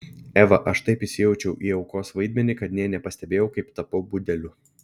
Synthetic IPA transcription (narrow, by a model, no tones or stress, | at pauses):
æːʋɐʔɐʃt̪ɐɪpɪʃʲsʲɪjɛʊt͡ʃʲɛʊʔiːɐʊkoːsʋɐɪd̪ʲmʲɛnʲɪkɐt̪nʲiɛnʲɛpɐsʲt̪ʲɛbʲeːjɛʊkɐɪpt̪ɐpɐbʊd̪ʲɛlʲʊ